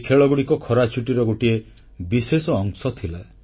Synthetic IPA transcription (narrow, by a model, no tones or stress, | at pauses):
kʰeɭɔɡuɽikɔkʰɔɾat͡ʃʰuʈiɾɔɡoʈie | bisesɔːŋsɔt̪ʰila